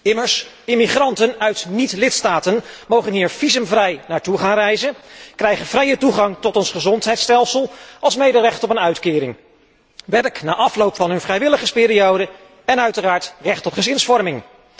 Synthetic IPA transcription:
ɪməɹs | ɪmiχrɑntənœɥtnitlɪtstaːtənmowχənɦiːɹv̥izəmvrɛjnaːɹtuχaːnrɛjzənkrɛjχənvrɛjətuχɑŋtɔtɔnsχəzɔntɦɛjtstɛlˠsəlˠɑlˠsmejdərɛχtɔpənœɥtkɪːɾɪ̰ŋ | ʋɛɹkna̰ːʔɑflowpfɑnɦɵnvrɛjʋɪləχəspɪːɾiowdə | ɛnœɥtəraːɹtrɛχtɔtχəzɪnsfɔɹmɪŋ

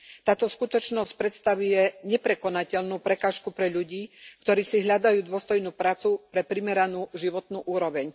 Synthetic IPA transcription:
t̪aːt̪ɔskut̪ɔt͡ʃnɔsc̚pɾɛt̪st̪aʋujɛɲɛpɾɛkɔnacɛʎnuːpɾɛkaːʃkupɾɛʎuɟiːkt̪ɔɾiːsiɦʎad̪ajuːd̪ʊɔst̪ɔjnuːpɾaːt͡supɾɛpɾimɛɾanuːʒiʋɔt̪nuːʔuːɾɔʋɛɲ

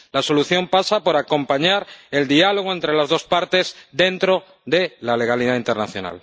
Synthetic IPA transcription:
laso̞luθjo̞mpasapo̞ɾako̞mpaɲaɾe̞ld̪ialo̞ɣ̞oe̞nt̪ɾe̞lazðo̞spaɾt̪e̞zd̪e̞nt̪ɾo̞ | ðe̞lale̞ɣ̞aliðaint̪eɾnaθjo̞̰na̰l

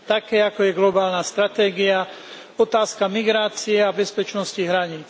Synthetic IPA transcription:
t̪akɛːakɔjɛɡlɔbaːlnast̪ɾat̪ɛːɡia | ɔt̪aːskamiɡɾaːt͡siɛabɛspɛt͡ʃnɔsciɦɾaɲiːt͡s

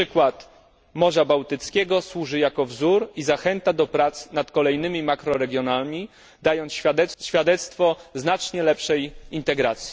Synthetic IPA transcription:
ɘkwat̪ | mɔʐabawt̪ɘt̪skʲɛɡɔswuʐɘjakɔvzuɾizaxɛnt̪ad̪ɔpɾat̪snat̪kɔlɛjnɘmʲimakɾɔɾɛɡʲjɔnalmʲi | d̪ajɔnt̪sɛɕfʲjad̪ɛt̪st̪fɔznat͡ʂɲɛlɛpʂɛjint̪ɛɡɾat̪sʲji

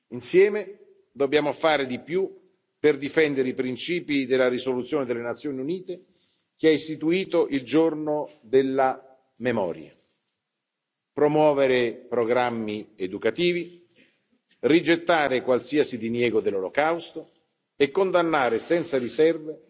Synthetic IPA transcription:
insjɛːme | d̪objaːmofaːɾed̪ipju | perd̪ifɛnd̪eɾeipɾint͡ʃiːpid̪elːaɾisolut̪sjoːned̪elenat̪sːjoːniuniːt̪e | k̟eɛist̪it̪uiːt̪oʔild͡ʒornod̪elːa | memɔ̰ːɾja̰ | pɾomwɔːveɾepɾoɡɾamːied̪ukat̪iːvi | rid͡ʒet̪ːaːɾekwalsiasid̪injɛːɡod̪elːolokawst̪o | ekːond̪anːaːɾesɛnt̪saɾisɛrve

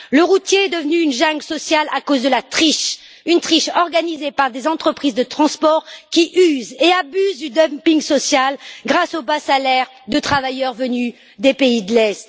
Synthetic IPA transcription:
ləʁut̪jeɛd̪əvənyːnʒãŋɡsɔsjalakozd̪əlat̪χiʃ | ynt̪χiʃɔʁɡanizepaʁd̪ezɑ̃t̪χəpχizd̪ət̪χɑ̃spɔʁkʲiʔyzeabyzd̪yd̪ɔmpĩŋɡsɔsjalɡʁasobasalɛʁ | d̪ət̪χavajœʁvəny | d̪epeid̪əlɛst̪

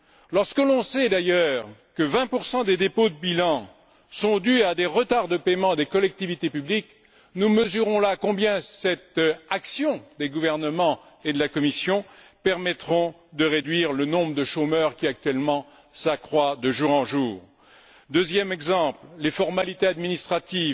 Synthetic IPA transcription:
lɔʁskəlɔ̃sɛd̪ajœːʁkəvɛ̃puʁsɑ̃d̪ed̪epod̪əbilɑ̃ | sɔ̃d̪yad̪eʁət̪aʁd̪əpemɑ̃d̪ekɔlɛk̚t̪ivit̪epyblik | numəzyʁɔ̃lakɔ̃bjɛ̃sɛt̪aksjɔ̃d̪eɡuvɛʁnəmɑ̃ | ed̪əlakɔmisjɔ̃ | pɛʁmɛt̪χɔ̃ | d̪əʁed̪ɥiʁlənɔ̃bʁəd̪əʃomœʁkʲiak̚t̪ɥɛlmɑ̃ | sakχwad̪əʒuʁɑ̃ʒuːʁ | d̪øzjɛmɛɡzɑ̃pllefɔʁmalit̪ead̪minist̪χat̪iv

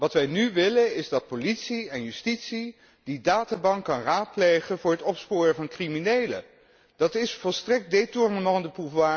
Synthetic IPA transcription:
ʋɑtʋɛjnyʋɪlənɪzdɑt̚politsiɛnjystitsi | d̥idaːtaːbɑŋkːɑnraːt̚plejχənvʊːɹɦətɔpspʊːrəvɑnkriminejlə̰ | d̥ɑtɪsfɔlˠstrɛk̚detʊrnəmɑndəpufʋaː

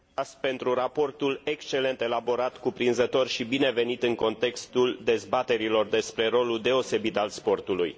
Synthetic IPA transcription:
ast̪̚pe̞nt̪ɾurapo̞rt̪ule̞kst͡ʃe̞le̞nt̪e̞labo̞ɾat̪kupɾinzət̪o̞rʃibine̞ve̞nit̪ɨŋko̞nt̪e̞kst̪uld̪e̞zbat̪e̞ɾilo̞rd̪e̞spɾe̞ɾo̞luld̪e̞o̞se̞bit̪alspo̞rt̪uluj

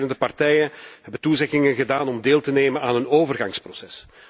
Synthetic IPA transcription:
nəndəpɑrtɛjənɦɛbət̪uzɛɣɪŋənɣədaːnɔmdeːlˠtəneːmənaːnənoːvərɣɑŋsprosɛs

